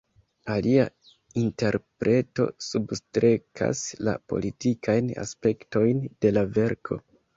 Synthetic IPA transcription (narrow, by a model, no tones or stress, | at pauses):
alia | inte̞ɾpɾe̞to̞̰substɾe̞kʰa̰sla̰po̞̰litikʰajna̰spe̞kto̞jnde̞lave̞ɾkʰo̞